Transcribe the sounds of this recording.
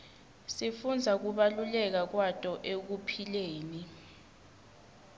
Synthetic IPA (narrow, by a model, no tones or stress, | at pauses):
sifund͡zʱak̬uɓalulɛk̬ak̬watʼɔʔek̬upʰileːni